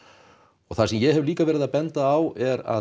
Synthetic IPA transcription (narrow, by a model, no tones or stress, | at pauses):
ɔɣθasɛmjɛɣɦɛvliːkavɛːɾɪðapɛnt̪aːwɛɾa̰